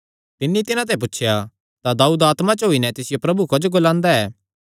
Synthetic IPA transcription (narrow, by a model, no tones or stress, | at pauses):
t̪ɪnːĩt̪ɪnãt̪̬ɐɛ̃p̬ʊtːʃʰja | t̪ad̪aːuːd̪aːt̪mat͡ʃɦoinɛt̪ɪsɪjopɾɐbukod͡ʒɡoːlãːnd̪aɛː